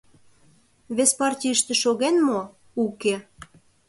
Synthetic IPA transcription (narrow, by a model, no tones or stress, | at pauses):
βespɑrtʲiəʃt̪ĕʃoɣenmo | uke